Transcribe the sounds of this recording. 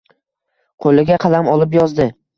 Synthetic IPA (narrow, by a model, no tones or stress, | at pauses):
qʰolɪɡʲaqʰɑlamɒlˠɪp̬jɒzd̪ɪ